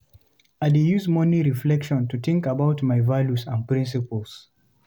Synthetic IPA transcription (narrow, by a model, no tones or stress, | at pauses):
aɪdejuzmɔ̃niɹiflɛkʃɔ̃ntut̪ĩŋkabaʊtmaɪvaljusãnpɹĩns̬ipəls